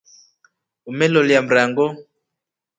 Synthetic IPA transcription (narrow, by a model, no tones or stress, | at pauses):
umɛlɔljam̩ɾaŋɡɔ